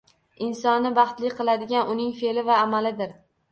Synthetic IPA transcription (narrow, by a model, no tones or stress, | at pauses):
ɪnsɒnːɪbɑχt̪lɪqʰɨlˠad̪ɪɡʲanʔʊnɪŋfe̞lɪvaːmalɪd̪ɪɾ